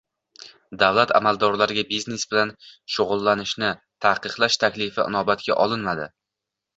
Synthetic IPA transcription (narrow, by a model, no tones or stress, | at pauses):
d̪avlat̪ʰa̰mald̪ɒɾlaɾɪɡʲabizne̞sbɪlanʃoʁʊlˠːanɪʃnɪ | t̪ʰahqɨqlˠaʃt̪ʰakʲlɪfɪʔɪ̰nɒbat̪kʲa̰ʔɒlˠɪnmad̪ɪ